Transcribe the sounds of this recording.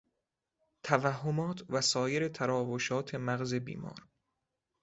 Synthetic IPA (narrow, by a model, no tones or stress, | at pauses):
t̪ʰævæhːomɒːt̪ʰvæsɒːjeɾe̞t̪ʰæɾɒːvoʃɒːt̪ʰe̞mæɣze̞bḭːmɒ̰ːɾ